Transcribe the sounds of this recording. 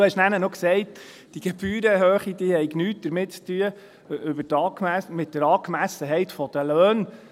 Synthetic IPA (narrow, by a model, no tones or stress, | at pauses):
hɛʃnænənɔksɛɪt | d̥iɡ̥ɛb̥yːɾəɦøːχid̥̪ihɛɪɡnyːt̚d̥̪əɾmɪtt͡st̪yə | ʏbətɑːkmæsmɪtdəɾɑːkmæsəɦɛɪtfɔd̥̪əløːn